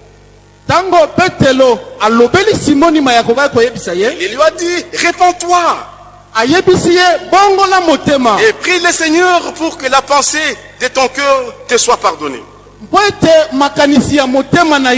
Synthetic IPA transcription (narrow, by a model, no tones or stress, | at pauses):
taŋɡopeteloalobelisimonimajakokaikojebisajeleljoadiʁepɔ̃t̪wa | ajebisijeboŋɡolamotemaepʁileseɲɛʁpuʁkəlapɑ̃sed̪ət̪ɔ̃kœːʁt̪əswapaʁd̪ɔnḛ | mpoetemakanisijamotemanaj